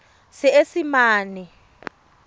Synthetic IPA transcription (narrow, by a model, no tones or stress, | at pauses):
siesimaːni